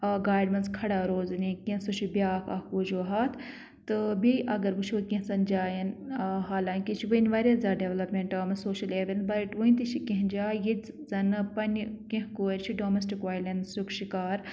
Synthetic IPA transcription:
ɡaːjɖmɐnskʰɐɽaːɾoːznikẽsut͡ʃʰibiaːkɐ̰kuːd͡ʒoːɦaːt̪ʰ | t̪ɨbiʔɐɡɐɾbut͡ʃʰoːkʲẽɦsɐnd͡ʒaːjɐnɦaːlaːŋkit͡ʃʰiʋɐnʋaːɾʲɐzaːɖeʋlɐpmeɳʈaːmɐsoːʃɐleːʋent̪bɐɾʈʋuĩnt̪it͡ʃʰikẽɦd͡ʒaːjit͡s | zɐnpɐnʲkẽɦkoːɾʲt͡ʃʰiɖoːmesʈikʋaːjlɐnsukʃikaːɾ

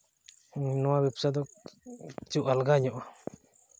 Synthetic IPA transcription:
nɔwabipsad̪ɔk̚ | t͡ʃuʔalɡaɲɔʔɔ

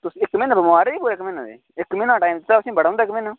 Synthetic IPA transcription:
t̪ʊsɪkmeːnəbəmoaːɾeiːpuːɾaɪkmeːnad̪ḛː | ɪkmɪːnãːʈaːimt̪t̪aʊsĩːbəɽãːʊ̃ːnd̪ːɪkmeːnõː

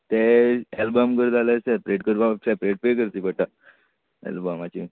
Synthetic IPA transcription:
t̪eɛlbəmkəɾd͡zʱalasɛpɾeʈkəɾbasɛpɾeʈ̚pekəɾt̪ipəʈːa | ḛlbəmat͡ɕi

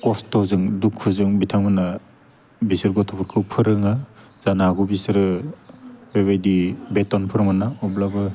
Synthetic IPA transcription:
kɔstɔwzɯŋdukʰːɯzɯŋbitʰaŋmana | bisɯɾɡɔtʰɔpʰuɾkʰɯwpʰɯɾɯŋa | z̥anaɡubisɾɯ | bebajdibetɔnpʰɯɾɯŋmanaɔblabɯ

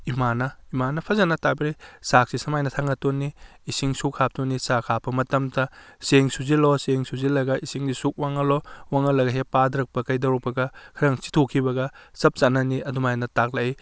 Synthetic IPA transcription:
imanɐimanɐpʰɐzɐnɐtabiɾisak̚sisɐmajnɐtʰaŋɐtonːiː | siŋsukʰːap̚tonːisakʰapʰɐmɐtɐmtɐseŋsuziloseŋsuzilɐɡɐisiŋdisuk̚waŋɐlowaŋɐlɐɡɐɦepadɐɾɐk̚pɐkɐjdɐwɾɐk̚pɐɡɐkʰɐɾɐŋsi̥tʰokʰibɐɡɐsɐp̚t͡ʃanɐniɐdumajnɐtak̚laij

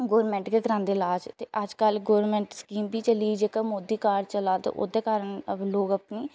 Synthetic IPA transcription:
ɡoːɾmɛ̃ːɳʈkeːkəɾãːnd̪eːlaːd͡ʒt̪eʔəd͡ʒkəlɡoːɾmɛ̃ːɳʈskiːmbiːt͡ʃəliːd͡ʒeːkaːmoːd̪iːkaːɾɖt͡ʃəlaːt̪ḛːʔo̰ːd̪eːkaːɾəɳloːɡəpniː

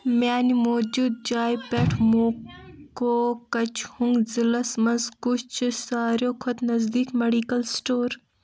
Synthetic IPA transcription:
maːnimoːd͡ʒuːd̪̚d͡ʒaːjpeʈʰmoːkoːkɐt͡ʃʰhuŋɡzilɐsmɐnzkut͡ʃt͡ʃʰisaːɾjoːkʰɔt̪nɐzd̪iːkmeɖiːkɐlsʈoːɾ

